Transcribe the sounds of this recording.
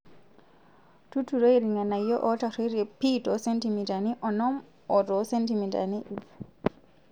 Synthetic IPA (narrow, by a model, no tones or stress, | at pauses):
tutuɾɔiɾiŋanajɔʔɔtaɾɔɾɛpitɔsɛntimitaniʔɔnɔm | ɔtɔsentimita̰niʔif